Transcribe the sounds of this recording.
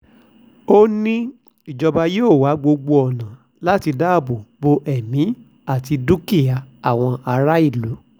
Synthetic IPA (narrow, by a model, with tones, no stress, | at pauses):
o˦nĩ˦ | i˨d͡ʒɔ˧ba˧joː˦˨wa˨˦ɡ͡bo˧ɡ͡bo˧ɔ˨nã˨ | la˦ti˧da˦˨bu˨bo˧ʔɛ˨mĩ˨˦ | a˦˨ti˧du˦ki˦˨ja˨a˨w̃ɔ̃˧a˧ɾa˦i˦˨lu˨˦